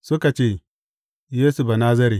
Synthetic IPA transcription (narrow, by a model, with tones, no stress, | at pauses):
su˦ka˨t͡ʃe˦˨ | je˦su˨ba˨na˦zɐ˦ɾi˨